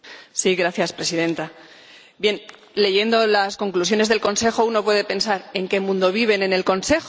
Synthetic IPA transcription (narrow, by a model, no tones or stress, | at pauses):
siɣɾaθjaspɾe̞siðe̞nt̪a | bje̞n | le̞ʝe̞nd̪o̞lasko̞ŋklusjo̞ne̞zðelko̞nse̞xo̞uno̞pwe̞ðe̞pe̞nsaɾe̞ŋke̞mũnd̪o̞β̞iβ̞e̞ne̞ne̞lko̞nse̞x